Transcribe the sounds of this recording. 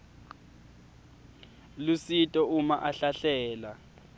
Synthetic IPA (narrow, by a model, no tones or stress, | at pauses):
lusitʼɔumaʔaɬaɬɛːla